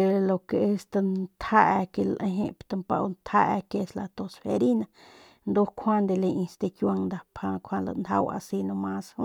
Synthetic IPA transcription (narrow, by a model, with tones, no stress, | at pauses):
e˧lo˧ke˧e˦st̪a˧nt̪ʰha˦ʔa˧ke˧lʔẽ˧ɦḛ̃˧pt̪a˧mpa̰˧wnt̪ʰa˦ʔa˧ke˧sla˧t̪o˧sfe˧ɾi˦na˧ | nd̪o˦kʰʷa˦nd̪e˧le˧ʔĩ˧st̪e˧kja˧ŋd̪a˧pʰa˧kʰʷwa˧la̰˧nd̪ʰa̰˦˧wa̰˧si˧nõ˧mã˧shu˦